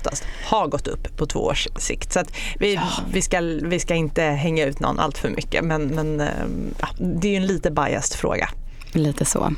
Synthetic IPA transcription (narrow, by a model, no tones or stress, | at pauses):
ft̪a̰st̪haɾɡɔt̪ːɵ̰pːʰɔt̪ʰvo̰ːo̰ːʂsɪ̰kt̪sɔat̪vɪvɪskavɪskaɪnt̪əɦɛŋːaʉ̟ːt̪nɔ̰nːʔa̰lt̪fœɾmʔʏkːə̰mɛnmɛnɑ̰ːd̪ɛjɵɛnliːt̪əbaja̰st̪fɾo̰ːɡa̰ | liːt̪ʰəso̰ː